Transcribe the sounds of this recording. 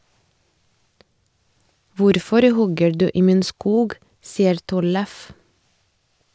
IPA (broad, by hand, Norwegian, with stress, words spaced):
ˈʋʊɾfɔɾ ˈhɔɡə ˈɖʉː ˈiː ˈmiːn ˈskuːɡ ˈsiːəɾ ˈtɔləf